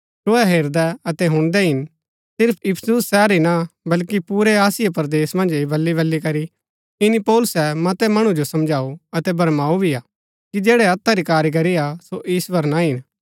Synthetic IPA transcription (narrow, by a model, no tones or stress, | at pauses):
soːɛɦeːɾd̪ɛɐt̪ɛɦʊ̃ɽ̃d̪ɛɦɪn | sɪɾpʰɪpʰsʊsːɛːɾinabɐlkipuːɾɛaːsɪjapɐɾd̪eːsmɐ̃nd͡ʒibɐlːiβɐlːikɐɾi | ɪnipɔːlʊsɛmɐt̪ɛmɐɽ̃ud͡ʒosɐmd͡ʒaːuɐt̪ɛbɐɾmaːubʱiaː | kid͡ʒeːɽɛɐt̪ʰːaɾikaːɾik̬ɐɾiasoʔɪːswɐɾnaɦɪn